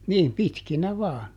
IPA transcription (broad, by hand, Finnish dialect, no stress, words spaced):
niːm pitkinæ ʋɑːn